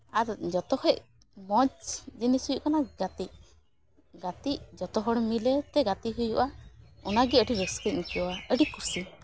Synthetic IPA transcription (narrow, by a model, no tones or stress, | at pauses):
aɾd͡ʒɔt̪ɔhɔʔ | mɔt͡ʃd͡ʒinisujuʔkanaɡat̪iʔ̚ | ɡat̪iʔd͡ʒɔt̪ɔɦɔɽmilɛt̪ɛɡat̪iɦujuʔaunaɡiəɖiɾəkskɾit̪̚nikiɔaəɖikusi